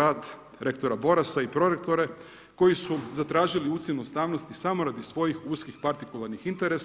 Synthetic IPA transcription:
aːd̪ | ɾe̞kt̪oɾabo̞ɾasaipɾo̞ɾek̚t̪o̞ɾe̞ | ko̞jisuzat̪ɾaːʒiliuːt̪senust̪aːʋnost̪isamo̞ɾad̪isʋo̞jixuːskixpaɾt̪ikulˠaɾnixint̪e̞ɾes

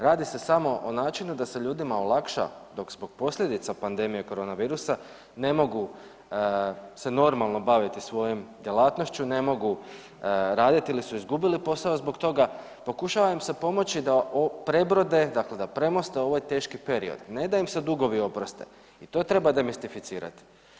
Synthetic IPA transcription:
ɾaːd̪ise̞samo̞ʔonaːt͡ʃinud̪ase̞ʎuːd̪imaolˠakʃa̰d̪o̞kzbo̞ɡ̥̚po̞slʎʲe̞d̪it̪sapand̪e̞mije̞ko̞ɾo̞ːnaʋiːɾusa | ne̞mo̞ɡu | se̞no̞ɾmalˠno̞baʋit̪isʋo̞jomd̪ʲje̞lˠat̪noʃt͡ɕune̞mo̞ɡu | ɾaːd̪it̪iilisuizɡubilipo̞saozbo̞kt̪o̞ɡa | po̞kuʃaʋaimse̞po̞mo̞t͡ɕid̪aʔopɾe̞bɾo̞d̪e̞d̪akle̞d̪apɾe̞mo̞st̪e̞o̞ʋajt̪e̞ːʃkipe̞ɾḭo̞̰d̪ne̞d̪aimsed̪uɡo̞ʋio̞pɾost̪ḛ | it̪o̞ːt̪ɾe̞bad̪e̞mist̪ifit̪siːɾa̰t̪i̥

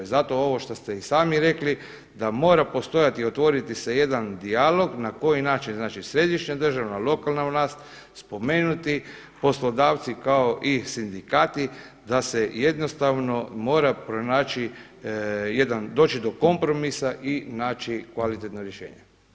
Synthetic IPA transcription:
zat̪o̞o̞ʋo̞ʃt̪ost̪eisaːmiɾe̞kli | d̪amo̞ːɾapo̞st̪o̞jat̪iot̪ʋo̞ɾit̪iseje̞d̪and̪ialo̞ɡnako̞jinaːt͡ʃinznaːt͡ʃisɾe̞d̪iʃɲad̪ər̩ʒaʋnalˠo̞kalˠnavlaːst̪ | spo̞meːnut̪i | po̞slod̪aːʋt̪sikaoʔisind̪ikaːt̪i | d̪aseje̞d̪no̞st̪aʋno̞mo̞ːɾapɾonaːt͡ʃi | je̞d̪and̪o̞ːt͡ʃid̪o̞ko̞mpɾo̞misaʔinaːt͡ʃikʋalit̪et̪noɾjeʃḛːɲe

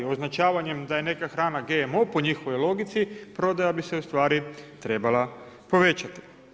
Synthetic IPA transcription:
o̞znat͡ʃaːʋaɲe̞md̪aje̞ne̞kaxɾaːnaɡe̞mopo̞ɲixo̞ʋo̞jlˠo̞ɡit̪sipɾo̞d̪ajabise̞ust̪ʋaːɾit̪ɾe̞bala | po̞ʋe̞t͡ɕat̪i̥

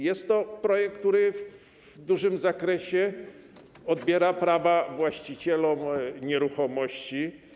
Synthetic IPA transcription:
jɛst̪ːɔpɾɔjɛk̚ktt̪uɾɘv | d̪uʐɘmzakɾɛɕɛ | ɔd̪̚bʲjɛɾapɾavavwaɕt͡ɕit͡ɕɛlɔmɲɛɾuxɔmɔɕt͡ɕi

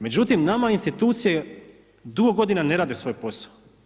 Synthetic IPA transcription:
me̞d͡ʑut̪imnamainst̪it̪uːt̪sije | d̪uɡoɡo̞d̪inane̞ɾaːd̪e̞sʋo̞jpo̞sḁo

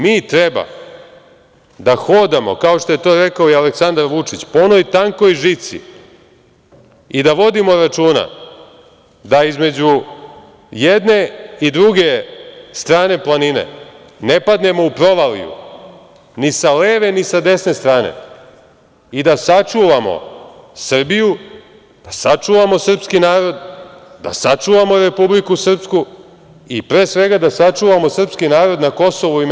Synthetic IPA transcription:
miːt̪ɾeba̰ | d̪axoːd̪amo̞̰kao̞ʃt̪o̞je̞t̪o̞ːɾe̞kaoialeksand̪aɾʋut͡ʂit͡ɕpoonojt̪aŋko̞jʒit̪sḭ | id̪aʋo̞d̪imo̞ɾat͡ʂuːna̰ | d̪aizme̞d͡ʑu | jed̪ne̞id̪ɾuɡe̞st̪ɾaːne̞plˠanine̞̰ | ne̞pad̪ne̞mo̞upɾo̞ʋalḭjṵ | nisaleːʋe̞nisad̪e̞sne̞st̪ɾaːne̞̰ | id̪asat͡ʂuʋamo̰sr̩biju | d̪̥asat͡ʂuʋamo̞srpskinaːɾo̞d̪d̪a̰sat͡ʂuːʋamo̞ɾe̞publikusr̩psku | ipɾeːsʋe̞ɡad̪asat͡ʂuːʋamo̞sr̩pskinaːɾo̞d̪nako̞so̞ʋui

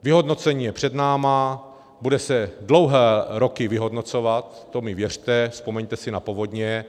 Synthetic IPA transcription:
vɪɦo̞dno̞t͡sɛɲiːjɛpr̥ɛdnaːma | budɛsɛdlo̞wɦɛːɾokɪvɪɦo̞dno̞t͡so̞vat̪ːo̞mɪvjɛr̝̥t̪ɛfspo̞mɛɲt̪ɛsɪnapovo̞dɲɛ

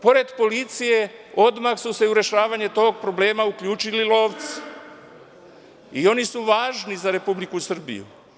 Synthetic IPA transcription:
po̞ɾe̞d̪po̞lit̪sije̞o̞d̪maxsuse̞uɾe̞ʃaːʋaɲet̪o̞ːɡ̚pɾo̞bleːmaukʎuːt͡ʃililo̞ːʋt̪si̥ | io̞nisuʋaːʒnizaɾe̞publikusr̩bḭjṵ

